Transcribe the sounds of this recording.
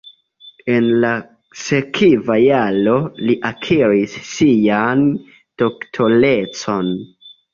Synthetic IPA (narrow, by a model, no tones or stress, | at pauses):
e̞nla | se̞kʰivajalo̞liʔakʰiɾisːijan | d̥o̞ktʰo̞le̞t͡so̞n